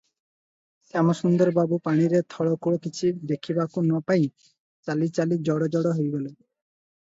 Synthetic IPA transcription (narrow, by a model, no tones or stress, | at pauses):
ɛmɔsund̪ɔɾbabupaɽ̃iɾet̪ʰɔɽɔkoɽ̃okit͡ʃʰid̪ekʰibakunɔpaj̃ | t͡ʃalit͡ʃalid͡ʒɔɽɔd͡ʒɔɽɔɦojɡɔle